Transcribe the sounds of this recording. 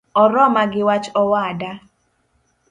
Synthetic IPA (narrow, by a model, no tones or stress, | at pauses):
ɔɾɔmaɡɪwat͡ʃɔwada